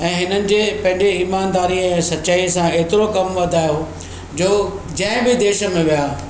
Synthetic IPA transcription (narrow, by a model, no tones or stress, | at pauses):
ɛ̃ːɦɪnənɪ̆d͡ʑeːpɐ̃ɦɪ̃ɲd͡ʑeiːmaːnd̪aːɾiɛ̃ːsɐtːɕaːisãeːt̪ɪɾokɐmʋɐd̪ʱaːjo | d͡ʑoːd͡ʑɐ̃ɦɪ̃bɪd̪eːʃə̆mẽʋijaː